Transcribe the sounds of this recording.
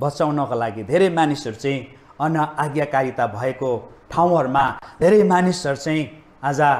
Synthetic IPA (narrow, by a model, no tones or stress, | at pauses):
bʌt͡sawnʌkolaɡid̪ʱeɾʌjmanisʌɾut͡sʌĩ | ʌnʌaɡjakaɾit̪abʱʌekoʈʰaw̃ʌɾumad̪ʱeɾʌjmanisʌɾut͡saĩ | ad͡za